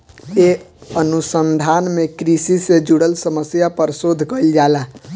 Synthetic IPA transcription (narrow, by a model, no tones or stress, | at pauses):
eənusənd̪ʱaːnmẽkɾisised͡ʒuɽəlsəməsjapəɾsoːd̪ʱkəild͡ʒaːla